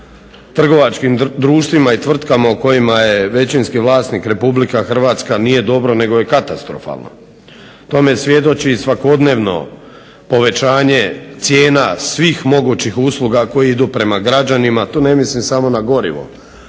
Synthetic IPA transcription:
t̪r̩ɡo̞ʋat͡ʃkimd̪ɾuːʃt̪ʋimait̪ʋr̩t̪kamauko̞jimaje̞ʋe̞t͡ɕinskiʋlˠaːsniːkɾe̞publikaxr̩ʋaːt̪skanije̞d̪o̞bɾo̞ne̞ɡo̞je̞kat̪ast̪ɾo̞̰fa̰lˠno̰ | t̪o̞me̞sʋje̞d̪o̞t͡ɕisʋako̞d̪ne̞ːʋno̞̰ | po̞ʋe̞t͡ɕaːɲe̞t̪sʲje̞ːnasʋiːxmo̞ɡuːt͡ɕixuslˠuɡako̞jiid̪uːpɾe̞maɡɾad͡ʒanimat̪oːne̞mislimsamo̞naɡo̞ɾḭʋo̰

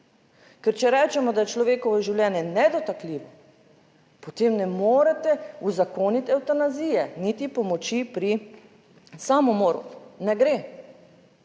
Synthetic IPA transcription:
kɛɾt͡ʃɛɾɛːt͡ʃɛmɔd̪ajɛt͡ʃlɔʋeːkɔʋɔʒiwljɛːnjɛnɛd̪ɔt̪akliːʋɔ | pɔt̪eːmnɛmoːɾat̪ɛuzakoːnit̪ɛwt̪anaziːjɛnit̪ipɔmɔt͡ʃipɾi | samɔmoːɾṵnɛɡɾeː

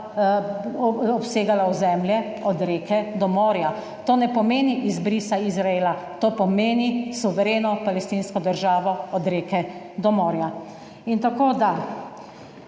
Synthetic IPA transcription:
ɔpseːɡalauzɛmljɛ | ɔd̪ɾeːkɛd̪ɔmoːɾja | t̪oːnɛpɔmeːniʔizbɾisaizɾaeːlat̪oːpɔmeːnisuʋɛɾeːnɔpalɛst̪inskɔd̪əɾʒaːʋɔɔd̪ɾeːkɛ | d̪ɔmoːɾja | int̪akoːd̪a

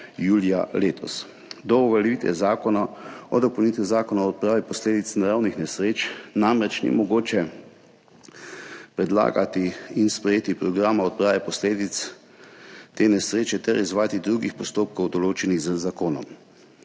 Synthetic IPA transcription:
juːlijaleːt̪ʰɔ̰s | d̪ɔɔʋɛlɛʋit̪ʋɛ̰zaːkɔnaɔd̪ɔpownit̪ʋizaːkɔnaɔt̪̚pɾaːʋɛpɔsleːd̪it͡s̪naɾawnixnɛsɾeːt͡ʃnamɾɛt͡ʃnḭmɔɡoːt͡ʃɛ | pɾɛd̪la̰ːɡat̪iinspɾɛjeːt̪ipɾɔɡɾaːmaɔt̪̚pɾaːʋɛpɔsleːd̪it̪s | t̪enɛsɾeːt͡ʃɛt̪ɛɾizʋaːjat̪id̪ɾuɡixpɔst̪oːp̚kɔwd̪ɔloːt͡ʃɛniɣzəzakoːnɔ̰m

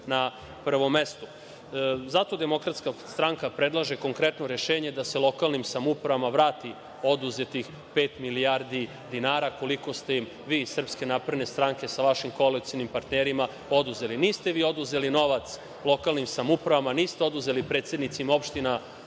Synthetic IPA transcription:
na | pr̩ʋo̞mːe̞st̪u | zat̪o̞d̪emo̞kɾat̪skast̪ɾaŋkapɾe̞d̪lˠaʒe̞ko̞ŋkɾe̞t̪no̞ɾeʃe̞ːɲe̞d̪ase̞lˠo̞kalnimsamupɾaʋamaʋɾaːt̪i | o̞d̪uze̞t̪ix | pe̞ːt̪miliaɾd̪i | d̪inaːɾako̞liko̞st̪e̞im | ʋiːsr̩pske̞napɾed̪ne̞st̪ɾaŋke̞saʋaʃimko̞alit̪sijonimpaɾt̪neɾima | o̞d̪uze̞liniːst̪eʋiːo̞d̪uze̞lino̞ʋat̪s | lˠo̞kalnimsamupɾaʋamaniːst̪eo̞d̪uze̞lipɾet̪sed̪nit̪simo̞pʃt̪ina

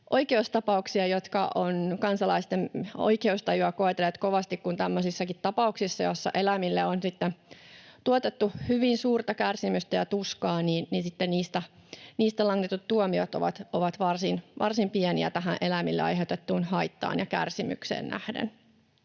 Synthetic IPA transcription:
ʔo̞jkeust̪ɑpɑuksiɑjot̪kɑ̰ʔonkɑnsɑlɑist̪eno̰jkeust̪ɑjuɑkoet̪elet̪koʋɑst̪ikkunt̪æmːøsisːɑkit̪tɑpɑuksisːɑjosːɑ̰ʔelæmilːeonsit̪ːent̪uot̪et̪ːuhyʋinsuːrt̪ɑkærsimyst̪æjɑt̪uskɑːniːnninsit̪ːeniːst̪æniːst̪ælɑŋːet̪ut̪tuomiot̪oʋɑ̰t̪ʔoʋɑt̪ʋɑrsinʋɑrsimpieniæ̰t̪æɦæʔʔelæmilːḛɑ̰jɦeout̪et̪ːuːnhɑjt̪ːɑ̰ːnjɑkæ̰rsimy̰ksḛːnnæ̰hdḛn

